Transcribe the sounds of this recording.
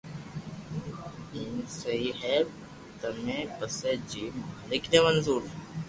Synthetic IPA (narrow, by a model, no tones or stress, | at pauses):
iːnsəɦiɦɛː | t̪əmẽːpəsed͡ʒiːmaːlɪknemənzuːɾ